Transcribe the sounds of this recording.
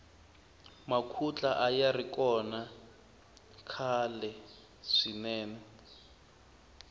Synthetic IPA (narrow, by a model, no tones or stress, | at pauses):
makʰut͡ɬʼaʔajarikɔna | kʰalɛ | ʂinɛːnɛ